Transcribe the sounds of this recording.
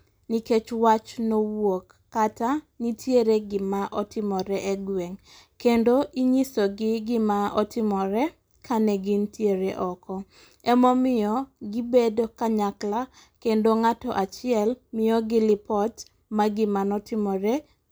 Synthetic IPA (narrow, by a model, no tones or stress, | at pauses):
niket͡ʃwat͡ʃnowokːatanitʰjeɾeɡɪmaʔɔtɪmɔɾɛʔɛɡweŋ | kendoʔiɲisoɡɪɡɪmaɔtɪmɔɾɛ | kʰanɛɡɪntjeɾeʔɔkɔ | ɛmɔmɪɔɡɪbedokaɲakla | kendoŋatɔʔat͡ʃɪɛlmɪɔɡɪlɪpɔt | maɡɪmanɔtɪmɔɾɛ